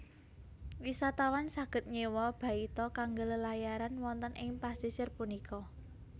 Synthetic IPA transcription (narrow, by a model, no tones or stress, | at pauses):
wisat̪awansaɡ̥ə̤t̪̚ɲewɔb̥a̤it̪ɔkaŋɡələlajaɾanwɔnt̪ənʔɪŋpast̪isɪrpunikɔ